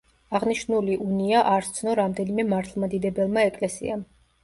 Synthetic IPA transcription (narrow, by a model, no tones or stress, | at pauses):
aʁniʃnuliʔuniaʔaɾsʰnɔɾamd̪ɛnimɛmaɾt̪ʰlˠmad̪id̪ɛbɛlˠmaɛkʼlɛsḭam